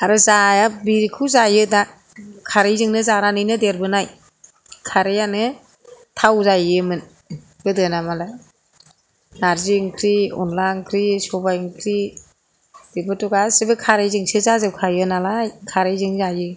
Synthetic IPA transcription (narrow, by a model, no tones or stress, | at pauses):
aɾɯzajabiɾikʰuzajɯda | kʰaɾɯjzɯŋnɯzaɾanɯjnɯdeɾbɯnaj | kʰaɾɯjanɯ | tʰawzajɯmɯn | ɡ̥ɯdɯnamala | naɾziŋkʰɾiɔ̰nlaŋkʰɾisɔbajŋkʰɾi | d̥ebɯtɔɡasibɯkʰaɾɯjzɯŋsɯzazɯwkʰajɯnalajkʰaɾɯjzɯŋzajɯ